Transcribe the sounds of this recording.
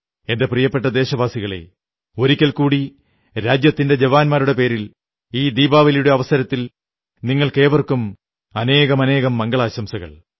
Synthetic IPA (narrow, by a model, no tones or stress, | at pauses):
e̞nde̞prijɐpːe̞ʈ̬ːɐd̪e̞ːɕɐbaːsiɣɐɭe̞̰ | o̞ɾikʲːɐlkuːɽi | ɾaːd͡ʑjɐt̪ːinde̞d͡ʑeʋaːnmaːɾuɽe̞pe̞ːɾil | iːd̪iːbaːʋɐljuɽe̞ɐʋɐsɐɾɐt̪ːil | niŋːɐɭke̞ːʋɐrkum | ɐne̞ːɣɐmɐne̞ːɣɐmːɐŋɡɐɭaːɕɐmsɐɣɐ̰ɭ